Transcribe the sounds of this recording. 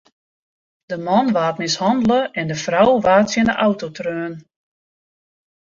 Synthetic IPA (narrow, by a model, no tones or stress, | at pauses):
d̥əmɔnʋaːtmɪshɑndləʔɛndəfrawʋaːtsjənəʔawtotrøːn